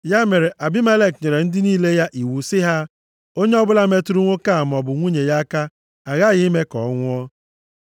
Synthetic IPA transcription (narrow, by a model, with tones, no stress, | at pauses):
ja˦me˨ɾe˨ʔa˨bi˦me˦le˦kɲe˨ɾe˨n̩˦dɪ˦niː˦le˦ja˦ʔi˨wu˨sɪ˦ɦa˦ | o˦ɲe˦ɔ˦bʊ˦la˦me˦tu˦ɾu˦ŋʷo˦ka˦˨m˨ɔ˨bʊ˨ŋʷu˦ɲe˨ja˦ka˦ | a˨ɣa˦˨ɣɪ˦me˦kɔ˨˦ŋʷʊ˦ɔ˦